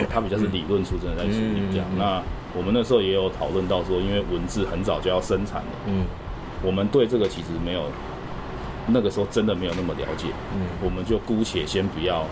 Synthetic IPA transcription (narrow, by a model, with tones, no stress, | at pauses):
t̪ʰa˥pi˨t͡ɕjɑ˥˧ʊʂ̬ɻ̩˥˩li˨˩lwə˥˧˨nt͡sʰu˥˧t͡sə˥˦nd̪t͡sa˥˩ɪʈ͡ʂʰu˧˥ḭ˨˩t͡ɕja̰˨˩˦ŋna˥˧ | wɔ˨˩mə˨na˥˩ʂ̩˧˥ho˥˩jɛ˧˥jo˧˥ʊt̪ʰɑ˨˩ʊlwə˥˧nt̪ɑ˥˩ʊʂwɔ˦˥i˦˥nwe˥˩ɪwə˨˦nt͡sɹ̩˥˩xə˧˦nt͡sɑ˨˩ʊt͡ɕjo˥˧ʊjɑ˥˩ʊʂə˦˥nt͡sʰa̰˨˩˦nd̪ə̰˦ | wɔ˨˩mə˨˦nt̪we˥˧ɪʈ͡ʂɤ˥˩ɡə˨˩t͡ɕʰi˧˥ʂɻ̩˧me˧˥ɪjo˨˩ʊ | na˥˩ɡə˩ʂɻ̩˧˥xo˥˩ʊʈ͡ʂə˦˥nd̪ə˨me˧˥ɪjo˨˩na˥˩mə˨˩ljɑ̰˧˥ʊt͡ɕjɛ˨˩wɔ˨˩mə˨nt͡ɕjo˥˩ʊku˦t͡ɕʰjɛ˨˩ɕjɛ˦˥npu˧jɑ˥˩ʊ